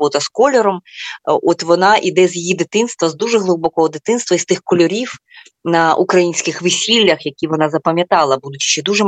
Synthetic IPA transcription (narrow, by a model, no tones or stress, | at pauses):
ɔt̪ɐskɔlʲɛɾɔmɔt̪ʋɔnɑʔid̪ɛzʲjɐjid̪ɪt̪ɪnst̪ʋɐzd̪uʒɛɦlˠɪbɔkɔɦɔd̪ɪt̪ɪnst̪ʋɐist̪ɪxkɔlʲɔɾʲiw | nɐʔukɾɐjinʲsʲkɪxʋɪsʲilʲːɐxjɐkʲiʋɔnɑzɐpɐmʲjɐt̪ɑlˠɐbud̪ʊt͡ʃi̥t͡ʃːɛd̪uʒɛ